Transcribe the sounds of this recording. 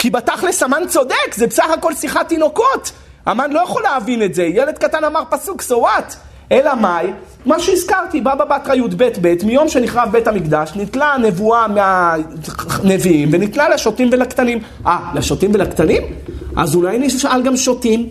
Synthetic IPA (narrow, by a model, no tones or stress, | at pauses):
kibataχlesamant͡so̞d̪ekzebesaχako̞lsiχat̪ino̞kot | amanlojaχo̞leavinetzejele̞d̪̚katanamaʁpasuksovat̪ | elamaj | maʃeizkaʁt̪ibababatʁajud̪be̞t̪be̞tmijo̞mʃe̞niχʁavbe̞thamikd̪aʃnit̪lane̞vuamea | neviimvenitnaleʃotimvelakt̪anim | ʔalaʃotimvelakt̪animʔa̰zulajniʃʃʔalɡamʃotim